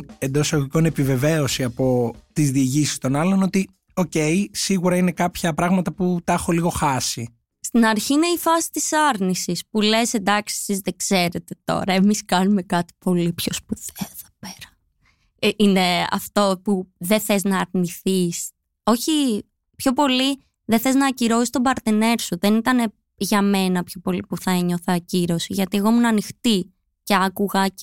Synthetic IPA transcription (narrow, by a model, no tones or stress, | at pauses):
end̪o̞seɣko̞ne̞pive̞ve̞o̞siɐpo̞t̪izðiːʝisi̥st̪o̞nɐlo̞not̪i | o̞ce̞jsiɣuɾɐine̞kɐpçɐpɾɐɣmɐt̪ɐput̪ɐxoliɣo̞xɐsi | st̪inɐɾçiːne̞ifɐsi̥t̪isɐɾnisispule̞send̪ɐksie̥sizðeɡz̥e̞ɾe̞t̪e̞t̪o̞̰ɾɐemiskɐnume̞kɐt̪i̥po̞lipço̞spuð̥eɐðopeɾɐ̥ | ine̞ɐ̰ft̪o̞puðeθeznɐːɾniθis | o̞çi | pço̞po̞li | ðeθe̞znɐciɾoist̪obɐɾt̪ene̞ɾsuðe̞nit̪ɐne̞ | ʝɐme̞nɐpço̞po̞lipuθɐeɲo̞θɐciɾo̞siʝɐt̪ie̞ɣo̞munɐnixt̪i | ce̞ɐkuɣɐ